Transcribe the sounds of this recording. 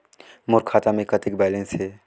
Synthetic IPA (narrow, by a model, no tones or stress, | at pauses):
mʊɾkʰaːt̪amẽkət̪ɪkbɛːlə̃nsɦɛː